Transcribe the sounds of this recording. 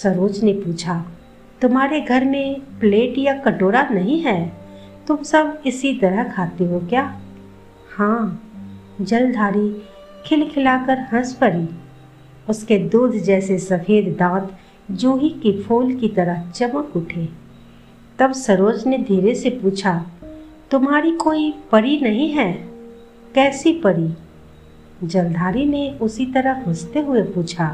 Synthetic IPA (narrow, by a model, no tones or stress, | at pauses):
sɐɾoːd͡ʒnepuːt͡ʃʰa | t̪ʊmɦaːɾeɡʱɐɾmẽpleːʈjakɐʈoːɾanɐɦĩɦɛː | t̪ʊmsəbɪsit̪ɐɾəɦkʰaːt̪eɦokjaː | hãː | d͡ʒɐld̪ʱaːɾi | kʰɪlkʰɪlaːkəɾɦɐ̃spɐɾiː | ʊsked̪uːd̪ʱd͡ʒɛːsesɐfeːd̪ːãːt̪ | d͡ʒuːɦikipʰuːlkit̪ɐɾəɦt͡ʃɐməkʊʈʰe | t̪ɐbsɐɾoːd͡ʒned̪ʱiːɾesepuːt͡ʃʰa | t̪ʊmɦaːɾikoːipɐɾinɐɦĩɦɛː | kɛːsipɐɾi | d͡ʒɐld̪ʱaːɾineʊsit̪ɐɾəɦʊst̪eɦʊepuːt͡ʃʰaː